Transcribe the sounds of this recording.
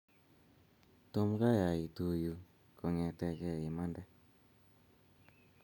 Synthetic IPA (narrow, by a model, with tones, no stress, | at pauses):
to˦mɡa˦ja˨i˨tu˨ju˨ | kɔ˨ŋɛ˨tɛ˨˧kɛ˦i˨ma˦ndɛ˦